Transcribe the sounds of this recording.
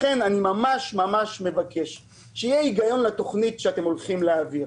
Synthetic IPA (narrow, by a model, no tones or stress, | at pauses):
χenanimamaʃmamaʃme̞vakʰe̞ʃ | ʃejeiɡajo̞nlat̪o̞χnitʃeate̞mo̞lχimleaviʁ